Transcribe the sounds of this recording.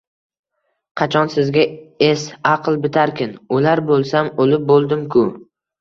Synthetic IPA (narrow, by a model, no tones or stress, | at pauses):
qʰɑt͡ʃʰɒnsɪzɡʲaesɑqlˠbɪt̪ʰaɾkʲɪnʊlaɾbolˠsamolɪp̚bolˠd̪ɪmkʰʊ